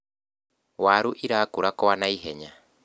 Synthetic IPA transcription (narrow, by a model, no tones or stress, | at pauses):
waɾuʔiɾaːkuɾakɔwanaiɦɛɲa